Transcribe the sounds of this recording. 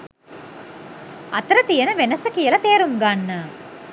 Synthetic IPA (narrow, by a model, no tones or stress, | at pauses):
ɐt̪ɾɐt̪ijɐnɐʋenɐsɐkijɐlɐt̪eːɾumɡaɳːɐ